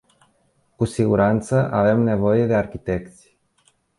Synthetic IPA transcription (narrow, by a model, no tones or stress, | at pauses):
kusiɡuɾant̪səʔave̞mne̞vojed̪earkit̪ekt̪si̥